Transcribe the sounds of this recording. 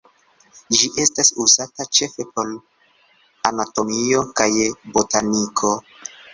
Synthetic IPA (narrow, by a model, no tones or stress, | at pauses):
d͡ʒiʔe̞stasuzatat͡ʃe̞fe̞po̞l | anato̞mio̞kajbotanikʰo̞